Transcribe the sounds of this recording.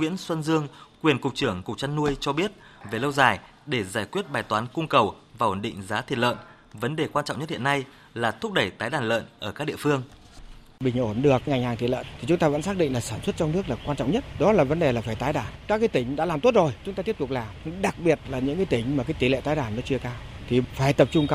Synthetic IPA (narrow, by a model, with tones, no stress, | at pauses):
wḭ˧˥ənswə˧nzɨ˧əŋkwi˨˩ənkʊ˨˩k͡p̚t͡ɕɨ˧˩əŋkʊ˨˩k͡p̚t͡ɕa˧nːu˧əjt͡ɕɔ˧ɓi˦˥ət̚ve˨˩lə˧wzaː˨˩j | ɗe˧˩zaː˧˩jkwi˦˥ət̚ɓaː˨˩jt̪waː˨˦nkʊ˧ŋ͡mkə˨˩w | vaː˨˩ʔo̰˨˩nɗḭ˧˨ŋ̟zaː˨˦t̪ʰi˨˩t̚lə̰ː˧˨n | və˨˦nɗe˨˩kwaː˧nt͡ɕɔ̰˧˨ŋ͡mɲə˦t̚hi˧˨ə˨nːa˧j | laː˨˩t̪ʰʊ˦˥k͡p̚ɗə˧˩jt̪aː˨˦jɗaː˧˩nlə̰ː˧˨nʔəː˧˩kaː˦˥ɗ̰i˧˨əfɨ˧əŋ | ɓï˨˩ŋ̟ʔo˧˩nɗɨ˨˩ək̚ŋa˨˩jŋ̟haː˨˩ŋʰi˨˩lə̰ː˧˨nt̪ʰi˨˩t͡ɕʊ˨˦ŋ͡mt̪aː˧və̰˧˥nsaː˦˥k̚ɗḭ˧˨ŋlaː˨˩saː˧˩nswə˦˥t̚t͡ɕɔ˧ŋ͡mnɨ˦˥ək̚laː˨˩kwaː˧nt͡ɕɔ̰˧˨wŋ͡mɲə˦˥t̚ɗɔ˨˦laː˨˩və˨˦nɗe˨˩laː˨˩faː˧˩jt̪aː˨˦jɗaː˧˩nkaː˦˥k̚kaː˨˦jt̪ï˨˦ŋ̟ɗa̰ː˧˥laː˨˩mt̪o˦˥t̚zo˨˩jt͡ɕʊ˨˦ŋ͡m̪taː˧t̪i˦˥p̚t̪k͡p̚laː˨˩˧ɗa˨˩k̚ɓi˨˩ət̚laː˨˩ɲɨ̰˧˥ŋkaː˨˦jt̪ï˨˦ŋ̟ma˨˩kaː˨˦jt̪i˨˦lḛ˧˨t̪aː˨˦jɗaː˧˩nːɔ˨˦t͡ɕɨ˧əkaː˧w | t̪ʰi˨˩faː˧˩jt̪ə˨˩p̚t͡ɕʊ˧ŋ͡mk